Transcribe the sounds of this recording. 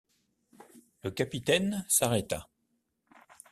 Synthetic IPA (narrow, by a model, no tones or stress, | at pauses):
ləkʲapit̪ɛnsaʁɛt̪a̰